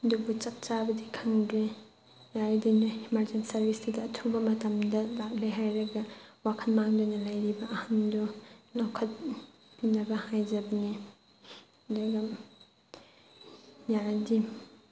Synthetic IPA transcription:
dubut͡ʃɐp̚t͡ʃabɐdikʰaŋdɾe | jaɾdinuimaɾd͡ʒensɐɾbisdidɐːtʰubɐmɐtɐmdɐlak̚leɦajɾɐɡɐwakʰɐnmaŋdojnɐlɐjɾibɐʔːhandulawkʰɐt̚ | pinɐbɐhajd͡ʒɐbɐni | duɡɐ | jaɾdi

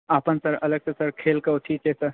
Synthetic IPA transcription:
aːpənsɐɾɐləɡsesɐɾkʰeːlkɐoʈʰiːt͡ʃesɐɾ

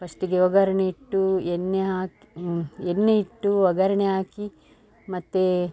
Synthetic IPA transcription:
pɐsʈiɡeʋɐɡɐɾɐɳeiʈːuenːeaːk | enːeiʈːuʋɐɡɐɾɐɳeɦaːki | mɐt̪ːe

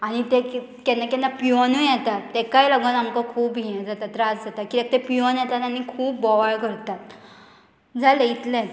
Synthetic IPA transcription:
aɽ̃it̪e | kɛnːakɛnːapiɔnujɛt̪at̪ːekajlɔɡənamkakʰuːpiə̃d͡zat̪at̪ɾad͡zd͡zat̪akilek̚t̪epiʋɔnjɛt̪at̪anikʰuːpːɔʋaɭkəɾt̪at̪̚ | d͡zʱaleit̪lɛ̃t̪

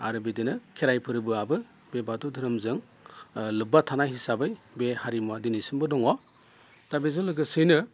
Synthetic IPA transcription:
a̰ɾɯbedɯnɯkʰeɾajpʰɯɾɯbɯabɯ | bebatudʰʱɯɾɯmzɯŋ | lɯbatʰanahisabɯj | behaɾimuadinisɯŋbɯdɔŋɔ | d̥abezɯlɯɡɯsɯjnɯ

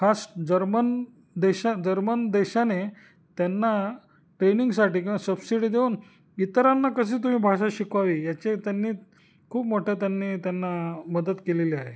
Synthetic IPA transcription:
kʰasd͡ʑəɾmən | d̪eɕad͡ʑəɾmənd̪eɕane | t̪janːa | ʈɾeniŋɡsaʈiːkasəbsiɽid̪euːn | it̪əɾanːakəs̬iːt̪um̤ĩːbʱaʂaɕikʋaʋiːjat͡ɕet̪janːiː | kʰuːpmoʈʰet̪janːiːt̪janːaməd̪ət̪keleliaɦḛ

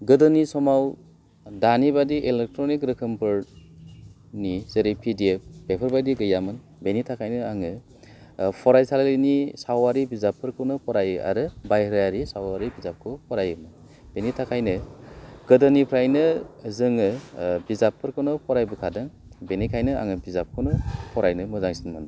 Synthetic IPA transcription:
ɡɯdɯnisɔmaw | danibadiʔelek̚tɾɔnikɾɯkʰɯmpʰɯɾ | nizeɾipʰidiep̚bepʰɯɾbajdiɡɯjamɯn | benitʰakʰajnɯaŋɯ | pʰɔɾajsallinisawaɾibizapʰːɯɾkʰɯwnɯpʰɔɾaja̰ɾɯbajɾajaɾisawaɾibizap̚kʰɯpʰɔɾajɯmɯn | b̥enitʰakʰajnɯɡɯdɯnipʰɾajnɯzɯŋɯbizapʰːɯɾkʰɯnɯpʰɔɾajbɯkʰadɯŋ | benikʰajnɯa̰ŋɯbizap̚kʰɯnɯpʰɔɾajnɯmɯzaŋsinmɯn

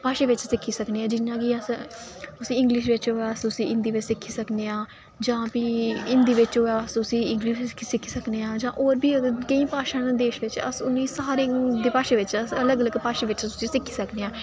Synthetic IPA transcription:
paːʃeːʋɪt͡ʃsɪkʰːiːsəkneːãːd͡ʒɪnːãːkɪəs | ʊsĩːɪ̃ŋɡlɪʃʋɪt͡ʃɦoːaːəsʊsĩːɪnd̪iːʋɪt͡ʃsɪkʰːiːsəkneːãː | d͡ʒãːpiːɪ̃nd̪iːʋɪt͡ʃɦoːaːsʊsĩːɪ̃ŋɡliʃkʰːiːsɪkʰːiːsəkneːãːd͡ʒãːʔoːɾbiːəkəĩːpaːʃãːnːd̪eːʃʋɪt͡ʃə̰sʊnːĩːsaːɾeːd̪eːpaːʃeːʋɪt͡ʃəsələɡələɡpaːʃeːʋɪt͡ʃsʊsĩːsɪkʰːiːsəkneːãː

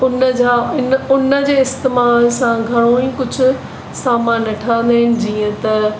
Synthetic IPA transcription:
ʊnəd͡ʑaːɪnʊnəd͡ʑeːɪst̪emaːlsãɡʱɐɽ̃õĩːkʊd͡ʑʱʊ̆ | saːmãːnɐʈʰãːnd̪aɦɪnɪ̆d͡ʑiːə̃t̪ɐ

